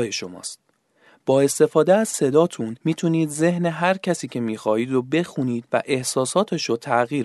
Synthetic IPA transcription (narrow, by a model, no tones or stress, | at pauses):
jeʃo̞mɒ̰ːst̪̚ | b̥ɒːe̞st̪e̞fɒːd̪eæz̥se̞d̪ɒːt̪ʰunmiːt̪ʰuniːd̪ze̞ɦne̞ɦæɾcʰæsiːcʰe̞miːxɒːhiːd̪ɾobe̞xuniːd̪̥væ̰ʔe̞hsɒːsɒːt̪ʰeʃot̪ʰæɣiːɾ